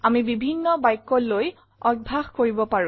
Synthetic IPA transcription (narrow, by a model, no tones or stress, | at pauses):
amibibʱinːɔbajkːɔloj | ɔɡ̚bʱaxkoɹibɔpaɹũ